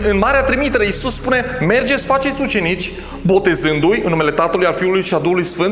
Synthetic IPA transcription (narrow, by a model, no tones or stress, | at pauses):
ɨnmaɾeat̪ɾimit̪eɾeisusːpune̞me̞rd͡ʒe̞t̪sʲfat͡ʃe̞t̪ʲut͡ʃe̞nit͡ʃʲ | bo̞t̪e̞zɨnd̪ujɨnːume̞le̞t̪at̪əlujalfiulujʃiald̪uhulujsfɨn